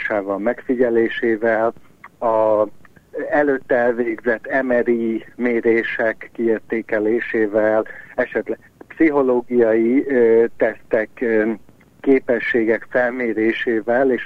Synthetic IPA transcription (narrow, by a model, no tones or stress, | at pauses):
ʃaːvɒlmɛkfiɟɛleːʃeːvɛlɒ | ɛløːt̪ːɛlveːɡzɛt̪ːɛmɛɾimeːɾeːʃɛkːieːrt̪eːkɛleːʃeːvɛlɛʃɛt̪lɛ | psiɦo̞loːɡijɒjit̪ɛst̪ɛkː | eːpɛʃːeːɡɛkfɛlmeːɾeːʃeːvɛleːʃ